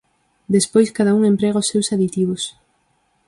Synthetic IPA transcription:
d̪espojskaðauŋẽmpɾɛɣaosːewsaðit̪iβ̞ʊs

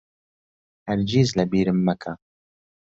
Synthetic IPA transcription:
aɾd͡ʒiːzlabiːɾəmːakʰa

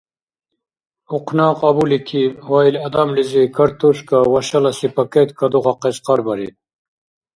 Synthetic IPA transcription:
uqnɑːqɐbulikʰiwailɐd̪amlizikɐɾt̪uʂkawɐɕɐlɐsipɐket̪kɐd̪uʁɑqesqɑɾbɐɾḭ

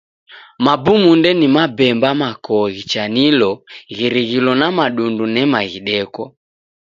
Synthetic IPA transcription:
mabumundɛnimabɛmbamakɔɣit͡ʃanilɔɣiɾiɣilɔnamaɗundunɛmaɣiɗɛkɔ

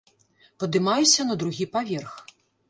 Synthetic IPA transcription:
pɐd̪ɨmajusʲɐnɐd̪ɾuɣʲipavʲɛrx

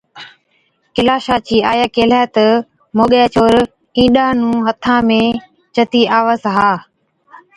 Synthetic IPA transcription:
kɪlaːʃaːt͡ɕiːaːjaːkeːlaːt̪ | moːɠjaːt͡ʃoːɾ | ĩːɗãːnũːɦət̪ʰãːmẽː | t͡ʃət̪iːʔaːʋaːzɦaː

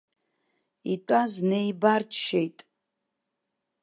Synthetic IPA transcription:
itʷʼaznejbart͡ʃʰʃejtʼ

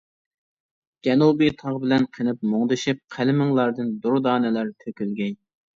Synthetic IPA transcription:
d͡ʒ̥ʲɛnubit̪ʰɑʁbɪlɛnqʰənɨp̚moŋd̪ɨʃip̚qʰælɪmɪŋlˠɑɾd̪ɨnd̪uɾʊd̪ɑːnɛlæɾt̪ʰøkʲylɡʲɛɲ

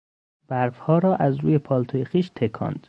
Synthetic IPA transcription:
b̥æɾfhɒːɾɒːʔæzɾuːje̞pʰɒːlt̪ʰojexiːʃt̪ʰekʰɒ̰ːnd̪̥

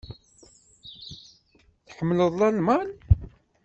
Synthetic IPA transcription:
θħəmːələðˤlɑlmal

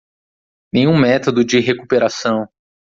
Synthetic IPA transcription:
nẽj̃ũmɛt̪od̪ʊd͡ʒɪɦekupeɾasɐ̃w̃

